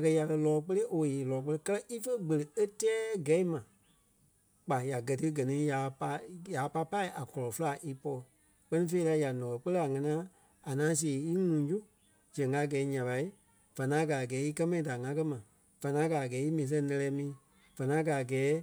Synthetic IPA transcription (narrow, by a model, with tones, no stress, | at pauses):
a˨kɜ˧ja˨kɜ˧lɔː˨˦k͡pə˦le˦ʔo˧˨jeː˨lɔː˨˦k͡pə˧le˧˦kɜ˦lɜ˦ʔi˦fə˦ɡ͡bə˨lə˨e˦tɛː˦ɡɛ˨˦i˦mã˨ | k͡pa˨ja˨ɡɜ˨tɨ˦ɡɜ˨nĩ˨˦ja˨pa˧˦jaː˨˦pa˧˦pa˦i˦ʔa˨kɔ˨lɔ˨fɨ˦la˨ʔi˦pɔ˧˨ | k͡pɜ˦nĩ˦fe˧i˦la˧˦ja˨nɔ̃ː˨ɔ˨k͡pə˦lə˦a˨ŋã˧nĩ˦ã˦ | a˨nãː˨˦s̬i˦e˨i˦ŋũ˨˦d͡ʒu˦ | d͡ʒɛ̃˨ŋɡa˧˦˨ɡɛː˨˦ɲã˨ɓa˨˦i˦ | v̥a˨nãː˨˦ɡa˨ɡɛː˨˦i˦kɜ˦mã˧ĩ˨da˨ŋã˧˦kɜ˦mã˨ | v̥ã˨nãː˨˦ɡa˨ɡɛː˨˦i˦mĩː˨s̬ɛ̃˧˦nɛ̃˧lɛː˧˦mĩː˨˦ | v̥ã˨nã˦ɡa˨ɡɛː˨˦